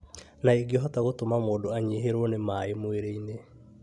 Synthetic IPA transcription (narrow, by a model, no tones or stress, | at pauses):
naeɡeɦɔtaɣotomamoːndoaɲeɦeɾwɔnemaemweɾeine